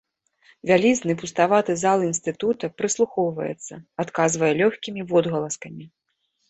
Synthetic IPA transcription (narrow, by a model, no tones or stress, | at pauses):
vʲalʲiznɨpust̪avat̪ɨzalˠinst̪ɨt̪ut̪ɐpɾɨslˠuxɔwvɐ̰jɛ̰t̪sːɐat̪kazvɐjɛlʲɔxʲkʲimʲivɔd̪ɣɐlˠɐskɐmʲi